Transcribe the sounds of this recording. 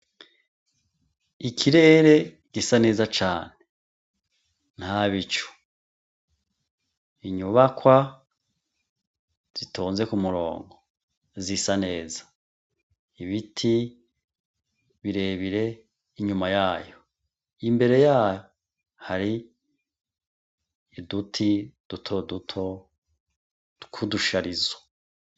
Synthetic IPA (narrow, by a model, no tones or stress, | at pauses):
ikʰiɾe̞ːɾe̞ | ɡ̥isane̞ːzat͡ʃaːne | n̥haβit͡ʃu̥ | iɲuβakwa | z̥itoːnze̞kumuɾo̞̰ːŋɡo | zisane̞ːzḁ | iβitʰi | βiɾe̞βiɾe̞ | iɲumajaːjo̞ | imbe̞ɾe̞jaːjo | haɾi | dutʰid̥utʰo̞dutʰo | kʰuduʃaɾizo̥